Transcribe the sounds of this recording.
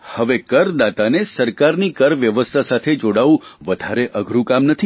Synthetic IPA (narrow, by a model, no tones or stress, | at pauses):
həʋekəɾd̪at̪anesəɾkaɾnikəɾʋjəʋəst̪ʰasat̪ʰed͡ʒoɽaʋũʋəd̪ʱaɾeʔəɡʱɾũkamnət̪ʰi